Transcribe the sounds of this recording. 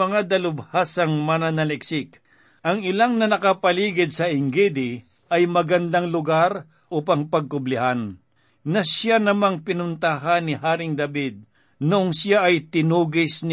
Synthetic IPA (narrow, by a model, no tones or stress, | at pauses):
ɐŋad̪ɐlʊbhaːsɐŋmanɐnɐlɛksɪk̚ | ʔɐŋɪlaŋnɐnɐkɐpɐliːɡɪd̪̚sɐʔɪŋɡid̪ɪ | ʔɐjmɐɡɐnd̪aŋlʊɡaɾ | ʔuːpɐŋpɐɡ̚kʊblɪhan | nɐsjanɐmaŋpɪnʊnt̪aɦanːɪɦaːɾɪŋd̪ɐbid̪̚ | nʊʔoŋsjaʔɐjt̪ɪnuːɡɪsnɪ